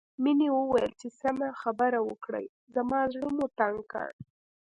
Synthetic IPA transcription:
minewəwajəlt͡ʃesamaxabaɾawəkɽa̰j | zamɑzɽəmut̪aŋɡka̰ɳ

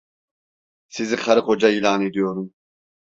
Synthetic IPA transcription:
siziχʰaɾɯχod͡ʒailaːned̪ijo̞ɾum

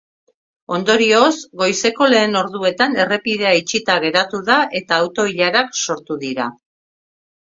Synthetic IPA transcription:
o̞nd̪o̞ɾio̞sɡo̞jse̞ko̞le̞ːno̞ɾðue̞t̪ane̞re̞piðe̞ait͡ʃit̪aɣ̞e̞ɾat̪uðaʔe̞t̪aːwt̪o̞iʎaɾakso̞ɾt̪uðiɾa̰

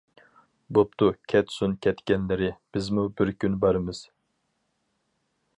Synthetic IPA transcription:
bop̚t̪ʰukʲʰɛt̪sunkʲʰɛt̪kʲɛnlɪɾɪb̥ɪzmubɪɾkʲʰynbɑɾɨmɨz̥

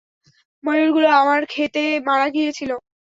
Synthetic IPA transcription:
məɾuɾɡuloamaɾkʰet̪emaɽaɡijet͡ɕʰilo

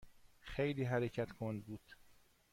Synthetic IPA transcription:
xejliːɦæɾecʰæt̪kʰond̪buːd̪̥

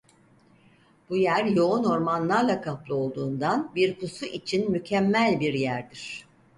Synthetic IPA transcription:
b̥ujæɾjo̞uno̞ɾmanlˠaɾlˠakʰaplˠɯo̞lˠd̪uːnd̪anbiɾpusuʔit͡ʃʰinmycʰɛmːælʲbiɾjæɾd̪iɾ̝̥

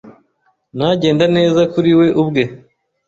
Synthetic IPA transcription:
naɟe̞ːndane̞ːzakuɾiwe̞ʔubɡe̞

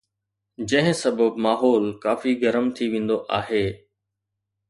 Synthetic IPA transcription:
d͡ʑɐ̃ɦɪ̃sɐbəbmaːɦɔːlkaːfiɡɐɾəmt̪ʰiʋẽːn̆d̪oʔaːɦeː

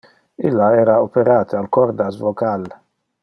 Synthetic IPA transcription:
ɪlːaɛːɾaɔpɛɾaːt̪ealkɔɾd̪asvɔkal

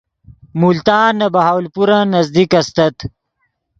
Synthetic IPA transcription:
mult̪aːnːɐbɐɦaːwlpuɾanɐzd̪ikɐst̪ɐt̪

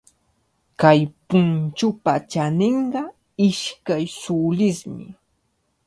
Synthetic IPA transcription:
kajpʊnt͡ʃʊpat͡ʃanɪɴɢɑ | ɪʃkajsʊlɪsmɪ̰

